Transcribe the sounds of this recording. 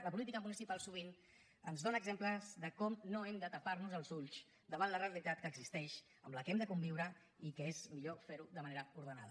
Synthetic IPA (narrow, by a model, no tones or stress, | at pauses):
ləpulit̪ikəmunisipalˠsuβ̞in | ənzðonəɡzempləzðəkɔmnoɛmd̪ət̪əparnuzəlˠzuʎt͡ʃ | d̪əβanlərəəlit̪at̪̚kəːɡzist̪ɛʃ | əmləkɛmd̪əkumbiwɾə | ikəezmiʎofeɾuðəməneɾəuɾð̞əna̰ðə